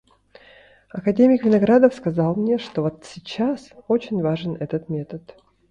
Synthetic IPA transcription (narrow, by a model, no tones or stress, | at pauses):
ɐkɐdʲemʲɪkvʲɪnɐɡɾad̪əfskɐzɑlˠmnʲeʂt̪ovot̪sʲɪt͡ɕːaso̞t͡ɕɪnʲvaʐɨnɛt̪ət̪mʲe̞t̪ət̪